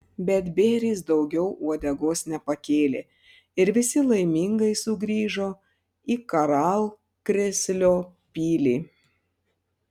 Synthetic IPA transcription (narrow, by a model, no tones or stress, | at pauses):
bʲɛt̪bʲeːɾʲiːs̬d̪ɒʊɡʲɛʊʔuɔd̪ʲɛɡoːsnʲɛpɐkʲeːlʲeː | ɪɾʋʲɪsʲɪlˠɐɪmʲiŋɡɐɪsʊɡɾʲiːʒoː | ikɐɾɑlˠ | kɾʲɪsʲlʲoːpʲiːlʲiː